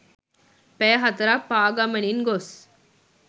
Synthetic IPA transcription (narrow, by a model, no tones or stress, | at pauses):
pɛːɦɐt̪ɐɾak̚paːɡamɐniŋɡos